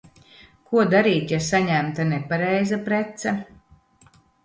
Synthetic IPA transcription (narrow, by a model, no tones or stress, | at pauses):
kuɔd̪aɾiːt̪jasaɲæmt̪anɛpaɾɛjzapɾɛt̪sɛ